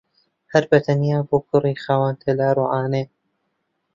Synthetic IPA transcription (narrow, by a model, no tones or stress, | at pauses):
hɐɾbɐt̪ʰɐnjaːboːkʰʊriːxaːwaːnt̪ʰɐlaːɾuːʕaːneː